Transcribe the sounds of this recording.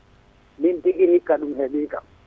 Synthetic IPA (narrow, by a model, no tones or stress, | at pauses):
mintikihikːaɗumhɛɓiːka̰